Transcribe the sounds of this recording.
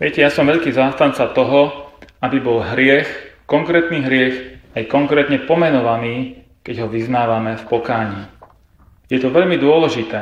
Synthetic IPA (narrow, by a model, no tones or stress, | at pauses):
ʋɪɛcɛjasɔmʋɛʎkiːzaːst̪ant͡sat̪ɔɦɔabibɔlɦɾɪɛxkɔŋkɾɛːt̪niːɦɾɪɛxajkɔŋkɾɛːt̪ɲɛpɔmɛnɔʋaniː | kɛɟɦɔʋiznaːʋamɛfpɔkaːɲiː | jɛt̪ɔʋɛʎmid̪ʊɔlɛʒit̪ɛː